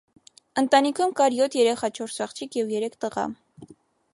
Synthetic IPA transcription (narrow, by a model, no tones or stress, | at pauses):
ənt̪ɑnikʰumkɑɾjɔt̪ʰjɛɾɛχɑt͡ʃʰɔɾsɑχt͡ʃʰikʰjɛvjɛɾɛkʰt̪əʁɑ̰